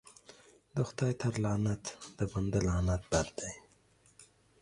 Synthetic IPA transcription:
d̪əxt̪ɑːjt̪ʰaɾlɑːnat̪d̪̥əbənd̪alɑːnat̪̚bad̪̚d̪aj

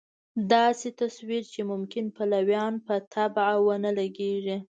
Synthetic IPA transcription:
d̪ɑset̪aswiɾt͡ʃemʊmkɪnpalawjɑnpət̪ʰabʕawənəlaɡeʐi

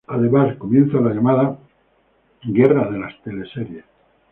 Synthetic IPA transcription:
aðeβaɾkomje̞nθalaʎamaða | ɡe̞raðe̞last̪e̞leseɾje

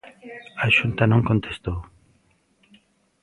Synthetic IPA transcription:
aʃunt̪anõŋkont̪ʰest̪o

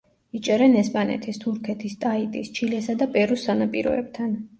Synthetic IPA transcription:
it͡ʃʼɛɾɛnɛspʼanɛ̰t̪ʰist̪ʰuɾkʰɛt̪ʰist̪ʼait̪ʼist͡ʃʰilɛsad̪apʼɛɾusanapʼiɾɔ̰ɛ̰b̥̚t̪ʰan

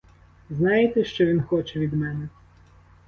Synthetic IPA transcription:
znɑjet̪ɛʃt͡ʃɔʋʲinxɔt͡ʃɛʋʲid̪mɛnɛ

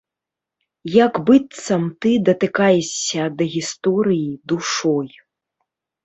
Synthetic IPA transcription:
jaɡbɨt̪sɐmt̪ɨd̪ɐt̪ɨkajɛʂʲːɐd̪ɐɣʲist̪ɔɾɨjid̪uʂɔj

